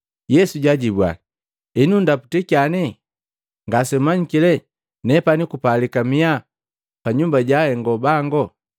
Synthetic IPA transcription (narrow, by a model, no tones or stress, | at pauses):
jɛsuɟaɟibwa̰ | inundapu̥tikianɛ | ŋɡasɛmaɲikilɛ | nɛpanikupalikamia | paɲumbaɟahɛŋɡɔbaŋɡɔ